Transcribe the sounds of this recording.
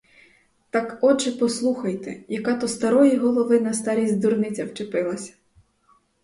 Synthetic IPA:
t̪ɑkɔt͡ʃɪpɔslˠuxɐjt̪ɛ̰jɐkɑt̪ɔst̪ɐɾɔjiɦɔlˠɔʋɪnɐst̪ɑɾʲizʲd̪urnɪt͡sʲɐwt͡ʃepɪlˠɐsʲɐ̥

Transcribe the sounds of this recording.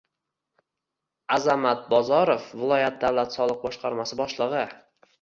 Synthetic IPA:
azamat̪̚bɒzɒɾofvɪlˠɒjat̪̚d̪awlat̪sɒlˠɨq̚bɒʃqɑɾmasɪbɒʃlˠɨʁɨ

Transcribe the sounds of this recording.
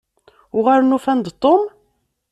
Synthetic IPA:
ʊʁæɾnufænd̪t̪ˤːom

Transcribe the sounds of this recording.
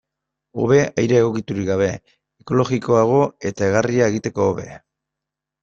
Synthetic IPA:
o̞̰βe̞ajɾe̞ːɣo̞kit̪uɾiɡaβ̞e̞ | eko̞lo̞ɣiko̞aɣ̞o̞e̞t̪ae̞ɣariae̞ɣit̪e̞ko̞ːβe̞̰

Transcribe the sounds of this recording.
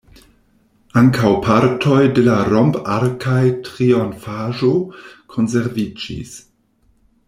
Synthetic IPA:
aŋkʰawpʰaɾtʰojdelaɾompaɾkʰajtɾionfaʒokʰons̬eɾvid͡ʒḭs

